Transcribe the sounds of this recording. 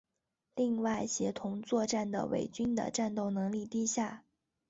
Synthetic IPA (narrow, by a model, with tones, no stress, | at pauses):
li˥˧ŋwa˥˩ɪɕjɛ˧˥t̪ʰʊ˧˥ŋt͡swɔ˥˧ʈ͡ʂa˥˩nd̪ə̰˩wḛ˨˩ɪt͡ɕy˥nd̪ə̰˨ʈ͡ʂa˥˧nt̪o˥˩ʊnɤ˧˥ŋli˥˧t̪i˥˧ɕja˥˩